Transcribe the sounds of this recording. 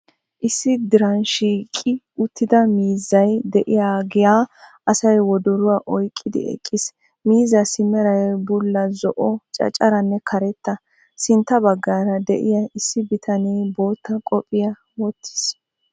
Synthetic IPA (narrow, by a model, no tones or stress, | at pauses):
ʔɪsːɪd̪ɪɾɐnʃiːkʼːɪ | ʊt̪ːɪd̪ɐmiːzːɐjd̪ɛʔɪjaːɡɪjaː | ɐsɐjwɔd̪ɔɾʊwaːʔɔjkʼːɪd̪ɪ̰ɛ̰kʼːɪs | miːzɐsɪmːɛɾɐjbʊlːɐzɔʔɔt͡ʃʼɐ̰t͡ʃʼːɐɾɐnːɛkʰɐɾɛt̪ːɐ | sɪnt̪ːɐbɐɡːaːɾɐd̪ɛ̰ʔɪjɐɪsːɪbɪt̪ʰɐnibo̞ːt̪ːɐkʼɔpʼːɪjɐ | wɔt̪ːɪ̥s